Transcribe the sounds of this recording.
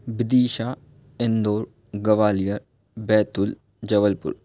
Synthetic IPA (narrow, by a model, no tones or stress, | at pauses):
bɪd̪iːʃaː | end̪oːɾ | ɡɐʋaːlijəɾ | bɛːt̪ʊl | d͡ʒɐʋəlpʊ̰ɾ